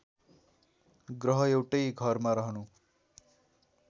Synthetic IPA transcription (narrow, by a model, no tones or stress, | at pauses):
ɡrʌɦʌewʈʌjɡʱʌrmaɾʌɦnu